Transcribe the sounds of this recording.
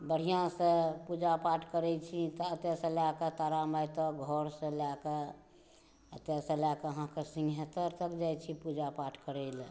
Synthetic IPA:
bəɽ̤ijãsə̃pud͡ʒapaʈʰkəɾɛt͡ʃʰit̪ɔət̪jɛsə̃laket̪aɾamajt̪ɔɡʱɔɾsə̃lake | ət̪jasə̃lakeəɦãkesĩŋɡʱɦet̪əɾt̪əkd͡ʒajt͡ʃʰipud͡ʒapaʈʰkəɾɛɪl

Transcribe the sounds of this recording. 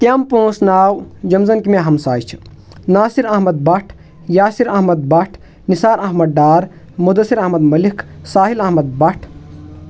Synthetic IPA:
t̪jɐmpõːsnaːwd͡ʒɐmzɐnkimeɦɐmsaːjt͡ʃʰ | naːsiɾɐɦmɐd̪̚bɐʈʰ | jaːsiɾɐɦmɐd̪̚bɐʈʰ | nisaːɾɐɦmɐd̪̚ɖaːɾ | mud̪ɐsiɾɐɦmɐd̪mɐlikʰsaːɦilɐɦmɐd̪̚bɐʈʰ

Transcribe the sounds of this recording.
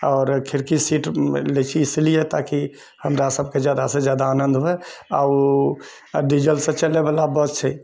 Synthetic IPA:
ɔːɾkʰɪɾkisiːʈlet͡ʃʰiːslijet̪aki | həmɾasəb̚ked͡ʒjad̪asẽd͡ʒjaːd̪aːnə̃nd̪ʱɦuɦea̰u | ɖid͡ʒəlsẽt͡ʃəlːebalabɔt̪t͡ʃʰɛ

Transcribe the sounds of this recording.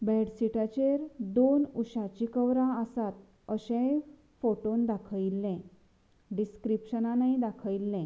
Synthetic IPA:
bɛɽsiʈat͡ɕeɾd̪onuɕat͡ɕikəʋɾãəsat̪̚ | əɕẽ | foʈond̪akʰəilːɛ̃ | ɖiskɾipɕənanaid̪akʰəilːɛ̃

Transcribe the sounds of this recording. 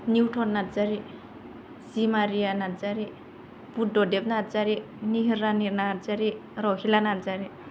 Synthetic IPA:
niwʈʰɔnnat̪d͡zaɾi | simaɾijanad͡zaɾi | puɖɔdepnatd͡zaɾi | niɦiɾːaniɾnad͡zaɾiɾɔhilanad͡zaɾi

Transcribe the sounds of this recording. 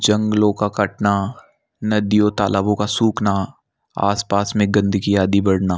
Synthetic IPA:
d͡ʒɐ̃ŋɡlõkakɐʈna | nɐd̪ijot̪a̰ːləbõkasuːkna | a̰ːspaːsmẽɡɐ̃nd̪ʱɡijaːd̪ibɐɽnaː

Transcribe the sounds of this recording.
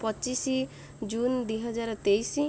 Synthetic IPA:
pɔt͡ʃisi | d͡ʒund̪uijɦʌd͡ʒaɾt̪ejsi

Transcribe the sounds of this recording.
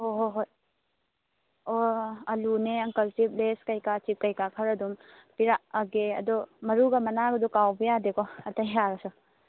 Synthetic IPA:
ɔɦoɦoj | oɐluneɐŋkɐltip̚leskɐjkat͡ʃip̚kɐjkakʰɐɾɐdum | piɾaʔɐɡeɐ̰dɔmɐɾuɡamɐnaɡɐdɔkawbijadekɔɐtɐjɦaɾɔsɔ

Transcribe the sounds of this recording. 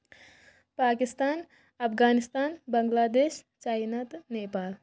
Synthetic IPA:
paːkist̪aːn | ɐpʰɡaːnist̪aːnbɐŋɡlaːd̪eːʃ | t͡ʃaːjnat̪neːpaːl

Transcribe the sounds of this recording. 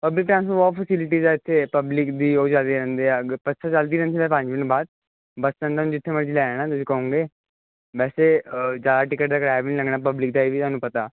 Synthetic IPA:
pəblɪk̚ʈɾãːnsubɔːpʰəsɪlɪʈ̬iːzaːɪt̪ʰːeːpəblɪkd̪iːoːd͡ʒald̪iːɾɛ̃ːnd̪eːaːpətːsʰaːt͡ʃəld̪iːɾɛ̃nd̪iemɛ̃ːpə̃ɲd͡ʒbɪnbaːd̪̚ | bəst̪ə̃nd̪ʰanũd͡ʒɪt̪ʰːeːməɽd͡ʒilɛːnaːt̪ʊsĩːkəɦũːŋɡeː | ʋɛːseːd͡ʒaːd̪aːʈɪkəʈ̚d̪aːɡɽaːjbɪnĩləɡnaːpəblɪk̚d̪aːiːʋiːt̪ʊaːnũːpət̪aː

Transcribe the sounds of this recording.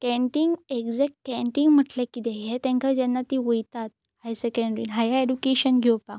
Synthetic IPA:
kɛ̃ɳʈiŋɡekd͡zek̚kkɛ̃ɳʈiŋɡm̤əʈlekit̪ɛɦet̪ɛ̃ŋkʰad͡ʑɛnːat̪iʋəjt̪at̪̚ | hajsekə̃ɳɖɾḭnɦajaedukeɕənɡʱɛwpa

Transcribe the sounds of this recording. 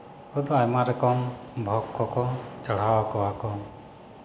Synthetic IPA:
ud̪ɔajmaɾɛkɔmbʱɔkʰːɔkɔt͡ʃɔɽ̤awakɔwakɔ

